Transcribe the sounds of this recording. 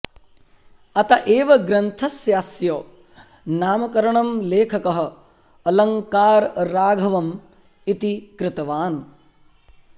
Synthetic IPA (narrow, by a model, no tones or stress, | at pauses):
ɐt̪ɐʔeːʋɐɡɾɐnt̪ʰɐsjaːsjoː | naːmɐkɐɾɐɳɐmleːkʰɐkɐɦɐ̆ | ɐlɐŋkaːɾːaːɡʱɐʋɐm | it̪ikɾɪt̪ɐʋaːn